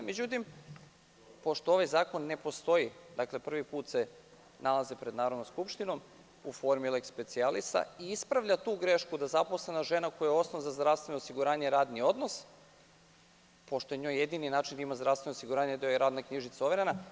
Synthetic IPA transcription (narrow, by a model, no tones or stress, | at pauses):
me̞d͡ʑut̪im | po̞ʃt̪oo̞ʋajzaːko̞nːe̞po̞st̪o̞id̪akle̞pr̩ʋipuːt̪se | nalˠazepɾed̪naːɾod̪nmskupʃt̪ino̞m | ufo̞ɾmilekspe̞t̪sialist̪a̰iispɾaʋʎat̪uːɡɾeʃkud̪azapo̞sle̞naʒe̞nako̞jajeo̞snoʋazazd̪ɾaʋst̪ʋe̞nosiɡuɾaːɲeɾaːd̪nio̞d̪no̞s | po̞ʃt̪ojeɲo̞jːe̞d̪ininaːt͡ʃind̪aimazd̪ɾafst̪ʋe̞nosiɡuɾaːɲed̪eojeɾaːd̪nakɲiʒit̪saoʋeɾena